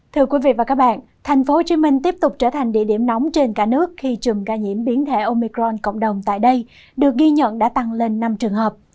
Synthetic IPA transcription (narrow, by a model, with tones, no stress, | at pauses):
t̪ʰɨ˧əkwi˨˦vḭ˧˨vaː˨˩kaː˦˥k̚ɓa̰ː˧˨n | t̪ʰɛ˨˩jŋ̟fo˨˦t͡ɕi˨˦mï˧ŋ̟t̪i˦˥əp̚t̪ʊ˨˩k͡p̚t͡ɕəː˧˩t̪ʰa˨˩jŋ̟ɗḭ˧˨ɗi˧˩əmnɔ˨˦wŋ͡mt͡ɕe˧nkaː˧˩nɨ˦˥ək̚xi˧t͡ɕɨ˨˩mkaː˧˩ɲḭ˧˩əmɓi˨˦ənt̪ʰe˧˩ʔo˧mi˧kɾɔ˧nko̰˧˨wŋ͡mɗə˨˩wŋ͡mt̪a̰ː˧˨jɗə˧j | ɗɨ˨˩ək̚ɣi˧ɲə̰˧˨nɗa̰ː˧˥t̪a˧ŋle˧nːa˧mt͡ɕɨ˨˩əŋɦəː˨˩p̚